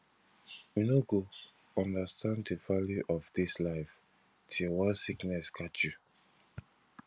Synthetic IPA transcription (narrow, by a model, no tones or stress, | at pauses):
junoɡo | ɔ̃ndastʰãnddəvaljiʔɔvdislaɪf | tʰilwasiknɛskʰat͡ʃju